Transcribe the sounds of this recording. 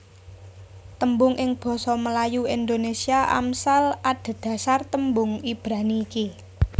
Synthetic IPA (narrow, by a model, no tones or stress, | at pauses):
t̪əmbʊŋʔɪŋb̥ɔ̤sɔməlajuind̪onesiaʔa̰msalad̪̥a̤d̪̥ä̤sart̪əmbʊŋib̥ɾaniːki